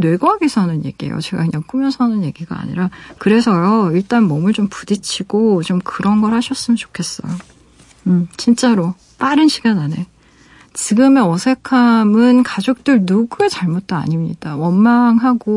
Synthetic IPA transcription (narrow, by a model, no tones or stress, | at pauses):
nwe̞ɡʌɦaɡisʰʌnɯnje̞̰ɡ̥iḛjo̰t͡ɕe̞ɡakɯɲaŋk͈umjʌnsʰʌnɯnje̞ɡiɡa̰a̰ɲḭɾakɯɾe̞sʰʌʌiɭt͈anmʌmɯɭt͡ɕompudit͡ɕʰiɡ̥ot͡ɕomkɯɾʌnɡʌɾhaɕʰʌs͈ɯmʌnt͡ɕo̥kʰe̞s͈ʌ̰jo | ɯt͡ɕint͡ɕ͈aɾo | p͈aɾɯnɕʰiɡanane̞ | t͡ɕiɡɯme̞ʌsʰe̞kʰamɯnkad͡ʑok̚t͈ɯɭnuɡue̞t͡ɕaɭmot̚t͈oa̰ɲimɲḭd̥awʌnmaŋɦaɡo